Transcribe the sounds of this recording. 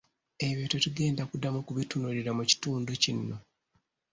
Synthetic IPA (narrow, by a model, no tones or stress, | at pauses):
e̞βjoːtotuɡe̞ːndakudamukuβitunuliɾamuci̥tuːnducinːo̞